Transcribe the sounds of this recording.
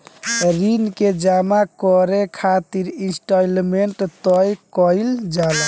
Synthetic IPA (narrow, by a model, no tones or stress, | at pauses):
ɾinked͡ʒamakɔɾekʰat̪iɾisʈalmeɳʈt̪ɔjkɔjld͡ʒal